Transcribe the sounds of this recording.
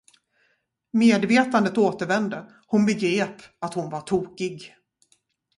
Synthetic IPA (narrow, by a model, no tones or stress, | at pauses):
meːd̪veːt̪and̪ət̪oːt̪əɾvɛnd̪ə | hʊnbɛɡɾeːpat̪hʊnvaʈʰuːkɪɡ